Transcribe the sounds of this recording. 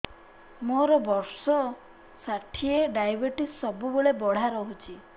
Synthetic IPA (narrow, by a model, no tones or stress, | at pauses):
moɾɔbɔɾsɔ | saʈʰieɖajbeʈisːɔbuboɭebɔɽ̤aɾɔɦut͡ʃʰi